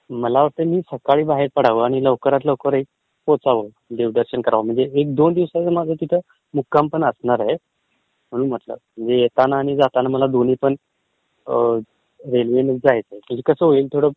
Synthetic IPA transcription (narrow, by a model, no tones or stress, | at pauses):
məlaʋəɾt̪əmiːsəkaɭiːbaɦeɾpəɽ̤aʋəːaɽ̃iləʋkəɾat̪ləʋkəɾi | pot͡saʋə | d̪eʋɖəɾɕənkəɾaʋəm̤əɳd͡zeek̚d̪ond̪iʋsat͡səmad͡zʱək̪it̪ʰə | mukːampəɳəsnaɾɦe | m̤əɽ̃uːnm̤ət̪lə̰m̤əɳd͡zejet̪anaːɽ̃id͡zat̪anaməlad̪oniːpəɳ | ɾelʋenəd͡zajt͡səem̤əɳd͡zekəsəːɦoiːlt̪ʰoɽə